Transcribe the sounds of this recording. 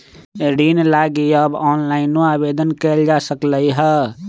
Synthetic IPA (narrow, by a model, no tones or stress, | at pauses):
ɾiːnlaːɡijabɔːnlaːɪnuaːbeːd̪ənkeːld͡ʒasəkləiɦɛ